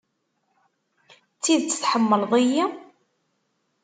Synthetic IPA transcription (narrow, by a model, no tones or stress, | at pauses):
t͡sːiðt͡sːə̥θħəmːəlðˤiji